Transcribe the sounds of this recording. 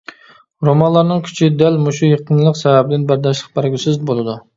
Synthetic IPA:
ɾomɑnlˠɑɾnɨŋkʲʰy̥t͡ʃʰid̪ælmuʃujeqʰənlˠəqsɛvæbɪd̪ɪnbæɾd̪ɑʃlˠəq̚bæɾɡʲysɪzbolˠɨd̪u

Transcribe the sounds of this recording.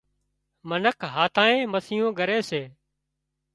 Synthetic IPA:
mənəkʰɦaːt̪ʰaːẽːməsɪjõːɡəɾeːseː

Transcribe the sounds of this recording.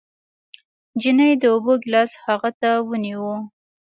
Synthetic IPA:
d͡ʒinəjd̪əoboɡlɑshaɣat̪awəniwu

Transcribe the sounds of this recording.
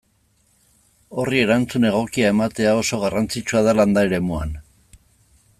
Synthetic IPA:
o̞rie̞ɾant͡sune̞ɣ̞o̞kiae̞mat̪e̞ao̞so̞ɣ̞arant͡sit͡ʃuaðaland̪aeɾe̞mua̰n

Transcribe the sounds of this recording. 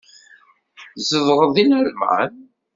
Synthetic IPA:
zəvʁəðinæɾmʕa̰n

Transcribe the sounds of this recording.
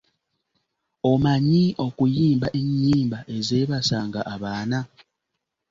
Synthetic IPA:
o̞maɲiʔo̞kujiːmbaʔeɲːiːmbaʔe̞zeːβasaːŋɡaʔaβaːna

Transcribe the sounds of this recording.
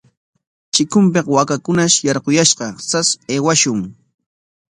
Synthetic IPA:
t͡ʃɪkʊmp̬eqwakakʊnaʃjɑɾqojaʃqɑsaseːwaʃʊŋ

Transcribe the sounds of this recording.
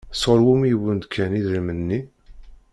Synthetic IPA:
sˤoɾwumijwənd̪kʰːæniðɾimənːi

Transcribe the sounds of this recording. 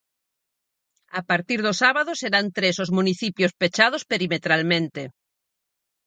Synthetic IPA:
apaɾt̪iɾðosaβaðoseɾant̪ɾesozmũniθipjospet͡ʃað̞ospeɾimet̪ɾalmẽnt̪e

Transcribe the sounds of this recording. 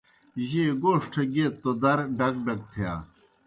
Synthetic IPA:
ʑeːɡoːʂʈʰɐɡet̪ːod̪ɐɾɖɐkɖɐk̚t̪ʰeja̰ː

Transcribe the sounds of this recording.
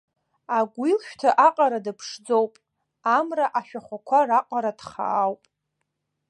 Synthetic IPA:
aɡʷilʃᶣtʰaʔaqʼaɾadɨpʰʂd͡zo̞wpʼ | amraʔaʃᶣaχʷakʷʰaraqʼaɾad̥χa̰ːwpʼ

